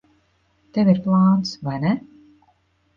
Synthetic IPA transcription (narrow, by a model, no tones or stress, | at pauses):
t̪ɛvʲiɾplˠaːnt̪svajnɛ